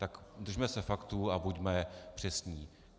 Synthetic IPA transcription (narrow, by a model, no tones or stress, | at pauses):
t̪akd̪r̩ʒmɛsɛfakt̪uabuɟmɛpr̝̥ɛsɲiː